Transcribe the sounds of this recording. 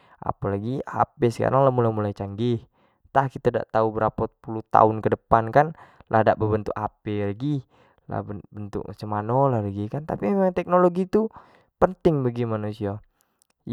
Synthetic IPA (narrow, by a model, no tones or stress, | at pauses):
ʔa̰palaɡia̰pesə̥ka̰ɾaŋlahmulamulajt͡ʃaŋɡih | t̪ahkit̪ada̰ʔt̪aubəɾapapuluht̪a̰ʊnkədəpankanlʔa̰hdaʔbəbənt̪ṵkapɛlaɡi | la̰bəbənt̪ṵʔsəmanolahlaɡikant̪apimemaŋt̪ɛk̚noloɡit̪u | pənt̪ɪŋbəɡimanusia